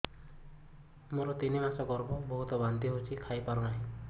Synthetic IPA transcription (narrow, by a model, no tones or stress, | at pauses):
moɾɔt̪inimasɔkɔɾbubɔɦut̪ɔbant̪iɦot͡ʃʰikʰajpaɾɔnaɦĩ